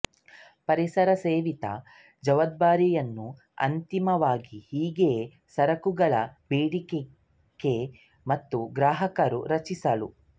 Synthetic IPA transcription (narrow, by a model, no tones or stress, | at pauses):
pɐɾisɐɾɐseːʋit̪ɐ̰ | d͡ʒɐʋɐd̪̚baːɾijɐnːu | ɐ̰nt̪imɐʋaːɡihiːɡe | sɐɾɐkuɡɐɭɐbeːɽike | kːe | mɐt̪ːuɡɾaːɦɐkɐɾṵɾɐt͡ʃisɐlṵ